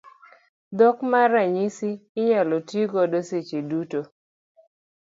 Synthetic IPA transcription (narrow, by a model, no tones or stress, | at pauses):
d̪ɔkmaɾaɲisiɪɲalotjiɡɔdoset͡ʃeduto